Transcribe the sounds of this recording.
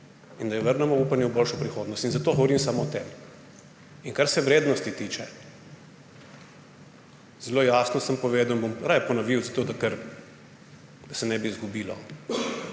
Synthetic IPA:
ind̪ajɔʋəɾnɛmɔuːpanjɛwboːlʃɔpɾixoːd̪nɔst̪inzat̪oːɡɔʋɔɾimsaːmɔt̪ɛːm | iŋkaɾsɛʋɾeːd̪nɔst̪it̪iːt͡ʃɛ | z̥ɛloːjasnɔsəmpɔʋeːd̪awinbomɾajpɔnɐʋiwzat̪oːd̪akəɾ | d̪̥ɐsɛnɛbiːzɡubiːlɔ̰

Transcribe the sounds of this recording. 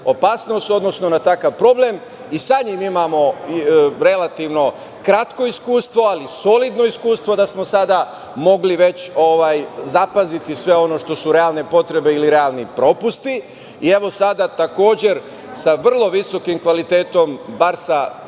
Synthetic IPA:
o̞paːsno̞st̪o̞d̪nosno̞nat̪akaʋpɾo̞ble̞m | isaɲimimamo̞ | ɾe̞lat̪iʋno̞ | kɾat̪ko̞iskuːst̪ʋo̞aliso̞lid̪no̞iskuːst̪ʋo̞d̪asmo̞sad̪a | mo̞ɡliʋe̞t͡ɕo̞ʋaːjzapazit̪isʋe̞o̞no̞ʃt̪o̞suɾe̞alne̞po̞t̪ɾe̞be̞iliɾe̞alˠnipɾo̞pust̪i | ie̞ʋo̞sad̪at̪ako̞ːd͡ʑe̞ɾ | saʋr̩lˠo̞ʋiso̞kimkʋalit̪eːt̪o̞mbaɾsa

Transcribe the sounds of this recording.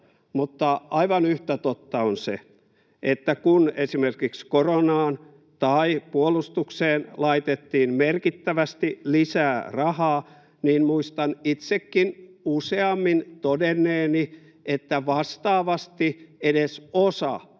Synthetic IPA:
mut̪ːɑʔɑiʋɑnyht̪æt̪ot̪ːɑonsḛ | ʔet̪ːækunesimerkikskoronɑːn | t̪ɑipuolust̪ukseːnlɑit̪et̪ːiːmmerkit̪ːæʋæst̪ilisæːrɑhɑː | niːnmuist̪ɑnit̪sekːinuseɑmːint̪odenːˑeːni | et̪ːæʋɑst̪ɑːʋɑst̪iedesosɑ̰

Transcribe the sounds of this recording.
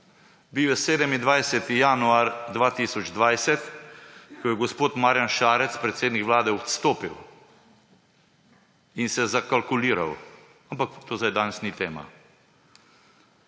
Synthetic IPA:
biwjɛseːd̪ɛmind̪ʋajsɛt̪ijanuaɾd̪ʋaːt̪iːsɔd͡ʒd̪ʋajsɛt̪ | kɔjɛɡɔspoːt̪maːɾjanʃaːɾɛt̪spɾɛt̪seːd̪nikʋlaːd̪ɛɔt̪st̪oːpiw | insɛzakalkuliːɾa̰w | ampakt̪oːzd̪ajd̪anɛsnit̪eːma̰

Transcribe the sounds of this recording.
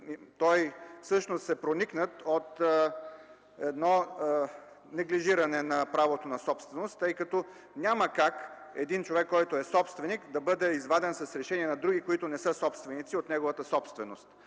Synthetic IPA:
t̪ɔjfsɤʃnost̪sɛpɾoniknət̪ot̪ | ɛd̪nɔ | nɛɡliʒiɾɐnɛnɐpɾavot̪onɐsɔpst̪vɛnost̪ːɤjkɐt̪o | nʲaməkakɛd̪int͡ʃovɛkːɔjt̪ʊɛsɔpst̪vɛnikd̪ɐbɤd̪ɛizvad̪ɛnsɐsɾɛʃɛniɛnɐd̪ɾuɡʲikoit̪ʊnɛsɤsɔpst̪vɛnit̪siot̪nɛɡovət̪əsɔpst̪vɛnost̪

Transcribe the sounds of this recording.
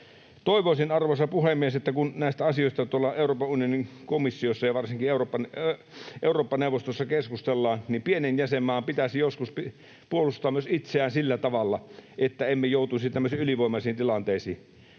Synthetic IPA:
t̪oˑiʋoˑisinɑrʋosɑpuhemːieset̪ːækunnæˑist̪æɑsioˑist̪ɑt̪uolːɑʔeˑuroːpɑunijoniŋkomisːiosːɑjɑʋɑrsiŋkieuropːɑn | ʔeˑuroːpːɑneˑuʋost̪osːɑkeskust̪elːɑːnnimpienenjæsemːæːmpit̪æsijoskuspi | puolust̪ːˑɑːmyøsit̪seæːnsilːæt̪ɑʋɑlːɑʔet̪ːæemːejoˑut̪uisʲit̪æmːøsiːyliʋoˑimɑˑsiːnt̪ilɑnt̪eːsḭː

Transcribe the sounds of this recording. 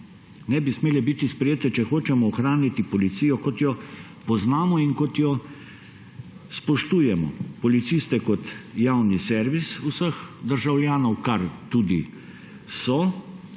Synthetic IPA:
nɛbismeːlɛbit̪ispɾɛjeːt̪ɛt͡ʃɛxoːt͡ʃɛmɔːxɾaːnit̪ipɔlit̪siːjɔkɔt̪jɔ | pɔznaːmɔinkɔt̪jɔ | spɔʃt̪uːjɛmɔ̰pɔlit̪sist̪ɛkɔt̪jaːwnisɛɾʋisusəxd̪əɾʒawlʲjaːnɔwkaɾt̪uːd̪i | sɔ

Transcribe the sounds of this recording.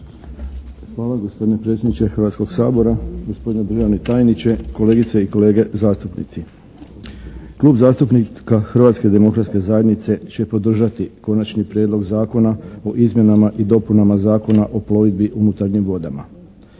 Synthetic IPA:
xʋaːlˠaɡo̞spo̞d̪ine̞pɾe̞t̪sjed̪nit͡ʃexɾʋat̪sko̞ɡsaːbo̞ɾaɡo̞sp̞d̪ined̪ɾ̩ʒaʋnit̪ajnit͡ɕe̞ko̞le̞ːɡit̪seiko̞le̞ːɡe̞zaːst̪upnḭt̪si | kluːbzaːst̪upnikaxrɾʋaːt̪ske̞d̪e̞mo̞kɾat̪ske̞zaje̞d̪nit̪se̞t͡ɕe̞po̞d̪r̩ʒat̪iko̞nat͡ʃnipɾjeːd̪lo̞ɡzaːko̞nao̞ʔizmje̞namaʔid̪o̞punamazaːko̞naʔo̞plo̞ʋid̪biʔunut̪aɾɲimʋo̞d̪ama̰

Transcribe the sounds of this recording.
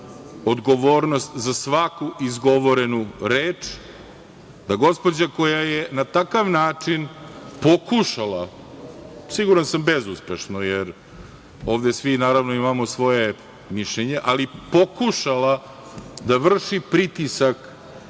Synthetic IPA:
od̪ɡo̞ʋoːɾnost̪zasʋakuʔizɡo̞ʋoɾenuɾeːt͡ʂ | d̪aɡo̞spo̞d͡ʑako̞jajenat̪akaʋnaːt͡ʂinpo̞kuʃalˠa | siɡuɾansambezuspeʃnojeɾ | o̞ːʋd̪esʋinaːɾaʋnoimamosʋo̞je | miʃʎeɲeʔalipo̞kuʃalˠa | d̪aʋr̩ʂipɾit̪isak

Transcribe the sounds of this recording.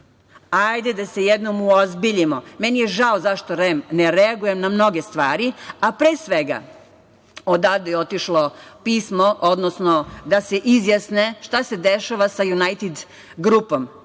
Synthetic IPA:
ajd̪ed̪asejed̪nomuozbiʎimomenijeʒaozaʃt̪o̞ɾemneɾeaɡuje̞mnamno̞ɡest̪ʋaːɾiapɾeːsʋeɡa̰ | od̪aːʋd̪ejot̪iʃlo̞piːsmoʔod̪nosnod̪aseʔizjasneʃt̪ase̞d̪eʃaʋasajunajt̪id̪ | ɡɾupom

